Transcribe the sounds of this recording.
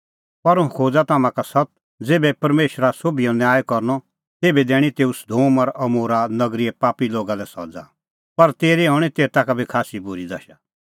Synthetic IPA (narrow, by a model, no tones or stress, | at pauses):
pɐɾʊ̃kʰoːd͡zat̪aːmãkasɐt̪̚ | d͡zeːbɛpɐɾmeːʃɾasoːbijɔ̃njaːjekɔɾnɔ | t̪eːbɛd̪ɛːɽ̃it̪eːusd̪ʱoːmɐɾɐmoːɾanɐɡɾiɛpaːpiloːɡalɛsɔ̰ːd͡za̰ | pɐɾt̪eːɾiɦɔːɽ̃it̪eːt̪aːkabʱikʰaːsibʊɾid̪ɐʃa